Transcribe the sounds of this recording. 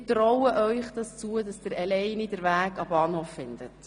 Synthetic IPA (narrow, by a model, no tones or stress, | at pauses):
trɔwəʔœʏχd̥ɑst͡suədɑsd̥əɾɛlɛjnidəɾʋæːɡɑbɑːnhoːfːɪnd̥̪ət